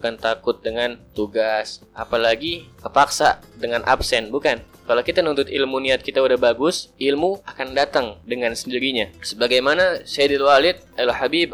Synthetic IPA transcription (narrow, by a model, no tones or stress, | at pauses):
bukant̪akʊt̪̚dəŋant̪uɡasʔapalaɡikəpaksadəŋanʔa̰psɛnbukan | kalokit̪anunt̪ʊt̪ɪlmuniat̪̚kit̪audahbaɡʊsɪlmuakandat̪aŋdəŋansəndiɾiɲasəbaɡajmanasadilwalɪt̪̚alhabib̚